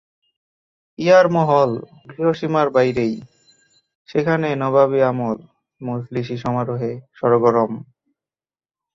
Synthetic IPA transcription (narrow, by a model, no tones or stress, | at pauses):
ijaɾmɔɦɔl | ɡɾiɦoʃimaɾbajɾej | ʃekʰanenɔβaβiamol | mosliʃ̬iʃɔmaɾoɦeʃɔɾoɡoɾɔm